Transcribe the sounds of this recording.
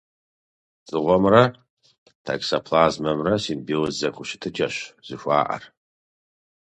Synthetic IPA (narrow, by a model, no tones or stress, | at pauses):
t͡sʼɨʁʷɔmrɐ | tʰa̰ksɐpʰlaːzmɐmrɐsinbiwzzɐkʷʰʊʃɪ̥tʰɨt͡ʃʼɐɕz̥ɨʃʷa̰ːʔɐ̰r